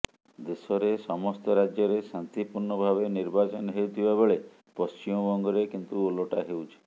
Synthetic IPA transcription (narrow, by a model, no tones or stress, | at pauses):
d̪esɔɾesɔmɔst̪ɔɾad͡ʒjɔɾesant̪ipuɾɳɔbʱaβeniɾbat͡ʃɔnɔɦeut̪ʰibabeɭe | pɔst͡ʃimɔbɔŋɡɔɾekint̪uoloʈaɦewt͡ʃʰi̥